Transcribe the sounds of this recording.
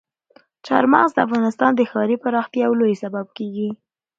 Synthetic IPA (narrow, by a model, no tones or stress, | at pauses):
t͡ʃɑ̰ɾmɑ̰ɣzd̪əafɣɑnɪst̪ɑnd̪əxɑɾipaɾɑxt̪jɑwlojsabab̚keɡi